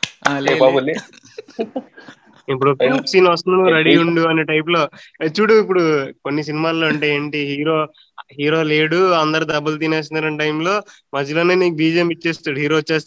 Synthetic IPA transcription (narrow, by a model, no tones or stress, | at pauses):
lebaːbuli | ip̬ːuɽokoksiːnɐst̪unɐnkɾɐɽiːuɳɖuɐneːʈɐjp̬lo̞ːet͡ʃːuɽuip̬ːuɽukonːis̬inimaːloːɐɳʈeːeːɳʈiɦiːɾoː | ɦiːɾo̞ːleːɽuɐnd̪ɐɾud̪ɐbːɐlt̪̬ineːs̬ind̪ɐɾɐnʈɐjmlo̞ː | mɐd͡ʒiloːneːniːkubiːd͡ʒɐjɐmit͡ʃːeːst̪aːɽuɦiːɾoːt͡ʃːeːst̪